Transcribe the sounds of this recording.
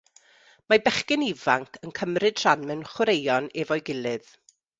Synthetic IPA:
mabɛχkɪnɪvaŋkʰənkʰəmrɨd̥ʰr̥anmɛnχwɾejɔnɛvɔjɡɪlˠɨð

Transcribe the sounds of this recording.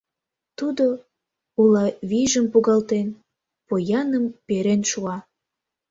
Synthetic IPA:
t̪ud̪o | ulɑβiʒəmpuɣɑlt̪en | pojɑnəmpeɾenʃuɑ

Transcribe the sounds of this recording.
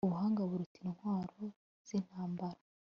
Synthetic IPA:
uβuhaːŋɡaβuɾutiɾinhwaːɾo̞ | z̥in̥haːmbaɾa

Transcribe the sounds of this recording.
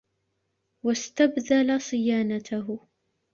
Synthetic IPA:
wast̪abðalasˤɨjaːnat̪ʰaɦʊ

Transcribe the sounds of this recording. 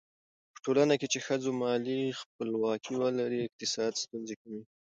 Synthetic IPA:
pə̥ʈolanaket͡ʃexəd͡zomɑlixp̚əlwɑkʰiwəlaɾiɪq̚t̪ɪsɑd̪st̪unzekawi

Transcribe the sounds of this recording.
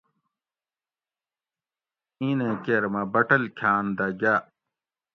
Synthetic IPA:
inẽkeɾmɐbɐʈɐlkʰaːnd̪ɐɡa

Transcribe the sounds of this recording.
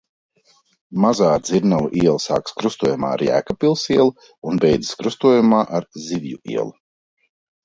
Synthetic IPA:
mazaːd̪ziɾnalˠuʔiɛlˠsa̰ːkskɾust̪uɔjuma̰ːa̰ɾjæ̰ːkapilˠsiɛlˠu | unbɛjd̪zi̥skɾust̪uɔjumaːʔaɾziʋjṵḭɛlˠu

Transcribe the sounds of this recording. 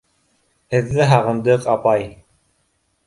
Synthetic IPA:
hɘ̆ðːɘɦɑʁɤ̆nd̪ɤqɑpɑj

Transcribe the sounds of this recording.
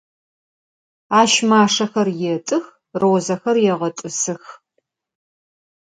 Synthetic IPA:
aːʃmaːʂɐxɐrjɛtʼɨx | rowːzɐxɐrjɛʁɐtʼɨsɨx

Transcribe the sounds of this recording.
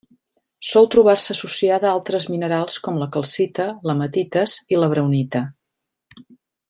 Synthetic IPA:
sɔlˠt̪ɾuβ̞arsəːsusiaðəalˠt̪ɾəzminəɾalˠskɔmləkəlˠsit̪ələmət̪it̪əziləβɾəwnit̪ə

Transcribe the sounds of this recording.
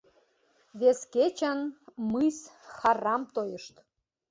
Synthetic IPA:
βesket͡ɕənmmɨjsxɑrɑmt̪ojəʃt̪

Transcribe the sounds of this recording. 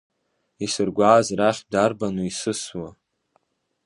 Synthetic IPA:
isɨrɡʷaːzraχʲdarbanuisɨswa

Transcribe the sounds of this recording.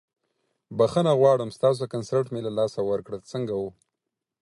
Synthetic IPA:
baxənaɣwɑɽəmst̪ɑs̬okansaɾʈmelalɑsawəɾkɽət͡səŋɡawu

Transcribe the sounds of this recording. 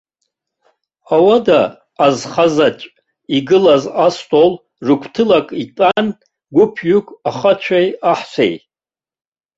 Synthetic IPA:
awadaː | zχazat͡ʃʷʼ | iɡɨlazastʼol | rɨkʷʰtʰɨlakʼitʼan | ɡʷʊpʰjukʷʰʼaχat͡ʃʷʰajaħsʷḛj

